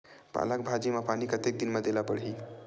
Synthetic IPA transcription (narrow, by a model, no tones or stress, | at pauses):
pa̰lakbʱad͡ʒimapanikət̪ek̚d̪inmad̪elapəɽɦi